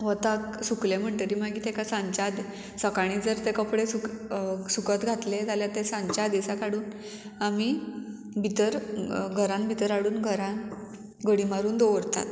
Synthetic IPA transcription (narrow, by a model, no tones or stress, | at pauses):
ʋət̪aksuklem̤əɳʈəɾiːmaɡiːt̪ʰekasãɲt͡ɕad̪ | səkaɽ̃iːd͡zəɾt̪ẽkəpɽesuksukət̪ɡʱat̪let̪aljat̪esãɲt͡ɕad̪isakaɽuːn | ami | bʱit̪əɾɡʱəɾãnbʱit̪əɾaɽuːnɡʱəɾãn | ɡəɽimaɾuːnd̪oʋəɾt̪a̰t̪